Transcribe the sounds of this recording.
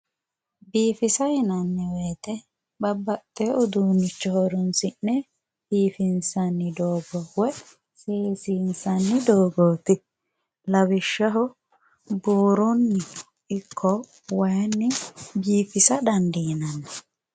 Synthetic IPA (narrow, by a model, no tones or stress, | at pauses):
biːfɪsɐhɪnɐnːɛweːt̪ɛ | bɐbːɐt̪ʼːeʊd̪uːnɪt͡ʃːɔhɔɾʊnsɪnːɛ | biːfɪnsɐnːɪd̪oːɡɔwɔj | seːsiːnsɐnːɪd̪oːɡoːt̪ɪ | lɐbɪʃːɐɦɔ | buːɾɔnːɪ | ɪkʰːɔ | wɐjnːɪbiːfɪsɐd̪ɐnd̪ɪhɪnɐnːɛ